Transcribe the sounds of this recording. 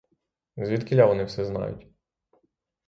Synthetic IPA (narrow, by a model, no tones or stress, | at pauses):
zʲʋʲit̪kɪlʲːaʋɔnɪwsɛznɑ̰jʊ̰tʲ